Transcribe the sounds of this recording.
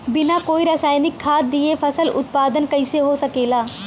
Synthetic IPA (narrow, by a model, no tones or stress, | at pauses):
bɪnakoːiɾaːsaːɪnɪkʰːaːt̪̚ːiepʰɐsəlʊ̰t̪̚paːd̪ənkɐɪseɦosɐkeːlaː